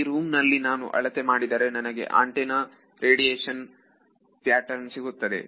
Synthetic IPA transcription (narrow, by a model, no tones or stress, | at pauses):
ɾuːmnɐlːinaːnṵʔɐ̰ɭɐt̪emaːɽid̪aːɾenɐnɐɡe̞̰ʔa̰ːɳʈena | ɾeːɽijeːʂɐn | t̪ijaːʈɐɾnsiɡut̪ːɐd̪e̞̰